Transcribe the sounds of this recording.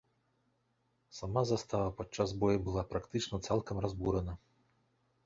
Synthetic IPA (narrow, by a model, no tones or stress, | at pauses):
sɐmazɐst̪ɑʋɐpɔt͡ʃːazbɔjibʊlˠɑpɾɐkt̪ɪt͡ʃnɔt̪sɛlˠkɐmrɐzbuɾenɐ